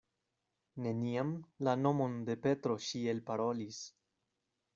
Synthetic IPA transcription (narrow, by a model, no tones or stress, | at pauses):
ne̞niamlano̞mo̞nde̞pe̞tɾo̞ʃielpaɾo̞lis